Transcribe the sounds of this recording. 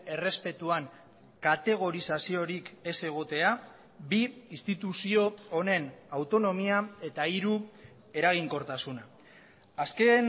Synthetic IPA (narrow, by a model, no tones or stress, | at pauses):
e̞re̞spe̞t̪uaŋ | kat̪e̞ɣ̞o̞ɾisasio̞ɾike̞se̞ɣ̞o̞t̪e̞a | biist̪it̪usio̞ːne̞nawt̪o̞no̞miae̞t̪aiɾu | e̞ɾaɣ̞iŋko̞ɾt̪asuna | aske̞n